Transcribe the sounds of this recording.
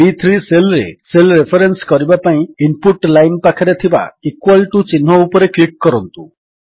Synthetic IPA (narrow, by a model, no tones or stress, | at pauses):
it̪ʰɾiselɾḛselɾepʰɔɾenskɔɾibapaĩimpuʈlajnpakʰaɾet̪ʰiba̰ikwalʈut͡ʃinɦɔupɔɾeklik̚ːɔɾɔnt̪u